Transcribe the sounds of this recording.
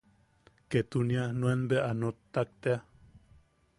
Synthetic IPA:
ket̪unianũenbeanot̪ːak̚t̪ea

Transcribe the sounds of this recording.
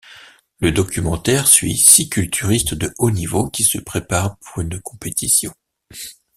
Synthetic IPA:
ləd̪ɔkʲymɑ̃t̪ɛʁsɥḭsikʲylt̪ʰyʁist̪d̪əʔonivokʲisəpχepaʁpuʁynkʰɔ̃pet̪isjɔ̃

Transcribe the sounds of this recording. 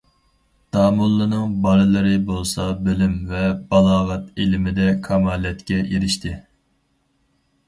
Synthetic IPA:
d̪̥ɑːmulˠːɨnɨŋbɑɾɨlˠɨɾɨbolˠsɑbølymvɛbɑlˠɑːʁɑt̪elɪmɪd̪ɛkʰɑmɑːlɛt̪kʲɛeɾɪʃt̪ʰɪ

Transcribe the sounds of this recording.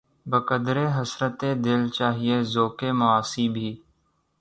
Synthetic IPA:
bəkəd̪ɾeːɦəsɾət̪eːd̪ɪlt͡ʃaːɦieːzoːkeːmʊaːsiːbʱiː

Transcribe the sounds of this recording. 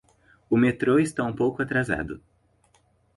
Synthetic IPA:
ʊmet̪ɾoɪst̪aũpowkʊat̪ɾaza̰d̪ʊ

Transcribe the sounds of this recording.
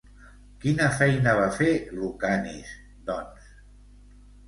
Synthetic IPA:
kinəfɛjnəβ̞afelukanḭs | d̪ɔns

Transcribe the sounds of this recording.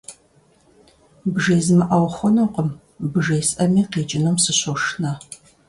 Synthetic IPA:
bʒeːzɨmɨʔɐwxʷɔnowqəm | bʒejsʔɐmiːqeːt͡ʃʼɪnumsɨɕoʂnɐ

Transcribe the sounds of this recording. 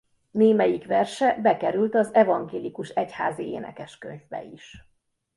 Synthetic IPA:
neːmɛjikʋɛrʃɛbɛkɛɾylt̪ɒzɛvɒŋɡeːlikuʃɛcha̰ːziḛːnɛ̰kɛʃkø̰ɲvbɛ̰iʃ

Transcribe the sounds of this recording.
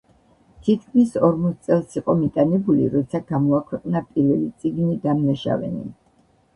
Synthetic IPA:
t̪ʰit̪̚kʰmisɔɾmɔt̪̚ʰt̪sʼɛlˠsiqʼɔmit̪ʼanɛbulḭɾɔt̪sʰaɡamɔakʰwɛqʼnapʼiɾvɛlit̪sʼiɡnid̪amnaʃa̰vɛ̰nḭ

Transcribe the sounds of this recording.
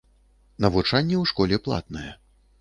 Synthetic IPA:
nɐvut͡ʂanʲːɛwʂkɔlʲɛplˠa̰t̪nɐjɛ

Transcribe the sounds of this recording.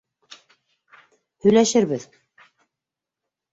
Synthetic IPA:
hɵ̆jlæʃɘɾβɘð

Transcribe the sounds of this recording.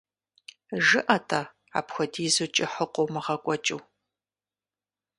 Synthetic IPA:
ʒɨʔɐtʰʼɐ | a̰ːpxʷɔdiːzut͡ʃʼɪħəqʷowmɨʁɐkʷʼɔt͡ʃʼɨw

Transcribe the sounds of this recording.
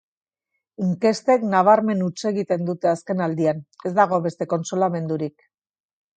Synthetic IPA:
iŋke̞st̪e̞knaβ̞aɾme̞nut͡se̞ɣit̪e̞nd̪ut̪e̞aske̞nald̪iane̞zd̪aɣ̞o̞βe̞st̪e̞ko̞nsolame̞nd̪uɾik

